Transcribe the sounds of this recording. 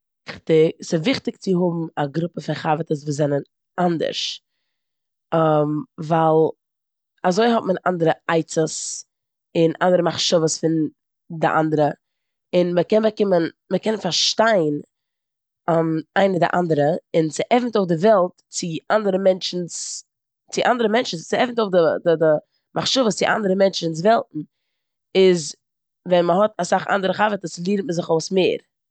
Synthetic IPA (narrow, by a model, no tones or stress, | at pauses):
χtɪksɪvɪχtɪkt͡sɪɦʊbm̩aɡɾʊpəfɪχavətəsvuːzɛnən | andə̰ɾʃ | mvalˠ | azoɪɦɔtmənʔa̰ndəɾəaɪt͡səs | ɪnʔa̰ndəɾəmaχʃɔvəsfɪn | dɪ̰ʔa̰ndəɾə | ɪnməkɛnbəkɪmənməkɛnfaɾʃtaɪn | amaɪnədɪ̰ʔandəɾəɪnsɪʔɛfn̩toʊfdɪvɛlˠt | t͡sɪʔandəɾəmɛnt͡ʃn̩s | t͡sɪʔandəɾəmɛnt͡ʃn̩t͡sɪɛfn̩toʊfdɪdɪdɪ | mʔaχʃɔvəst͡sɪʔa̰ndəɾəmɛnt͡ʃnɪns̬vɛlˠtn̩ | ɪz | vɛnməɦɔtasaχa̰ndəɾəχavətəslˠiːɾntməzɪχoʊsmeːɾ